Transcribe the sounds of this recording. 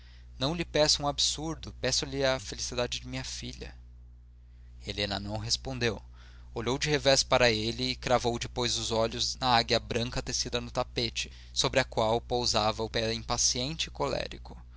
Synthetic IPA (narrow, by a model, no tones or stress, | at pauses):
nɐ̃w̃lɪpɛsʊũabsuɾd̪ʊpɛsʊlɪɐfelisid̪ad͡ʒɪd͡ʒɪmĩɲɐfiʎɐ̰ | elẽnɐ̰nɐ̃w̃ɦespõnd̪ew | oʎowd͡ʒɪhevɛspaɾɐelɪːkɾavowd͡ʒɪpojzʊzɔʎʊznɐaɡjɐbɾɐ̃ŋkɐt̪esid̪ɐnʊt̪apet͡ʃɪ̥ | sobɾɪɐkwawpowzavɐʊpɛĩpasiẽnt͡ʃɪːkolɛ̰ɾikʊ̥